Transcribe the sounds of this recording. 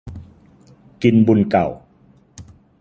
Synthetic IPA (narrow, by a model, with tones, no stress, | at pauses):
ki˧nbu˧nka˨˩w